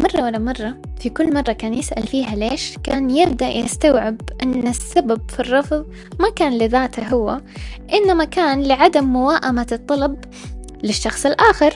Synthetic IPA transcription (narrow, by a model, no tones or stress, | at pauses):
mɑrˤːɑwalːamɑrˤːɑ | fikʊlːmɑrˤːɑkaːnjɪsʔa̰lfiːɦaleːʃkaːnjɪb̚d̪aʔjɪst̪awʕɪbʔɪnːɪsːababfirˤːɑfðˤ | makaːnlɪðaːt̪aɦʊwːaʔɪnːamakaːnlɪʕad̪amːʊwaːʔamat̪ˤːɑlɑb | lɪʃːɑxsˤɪlʔaːxɪɾ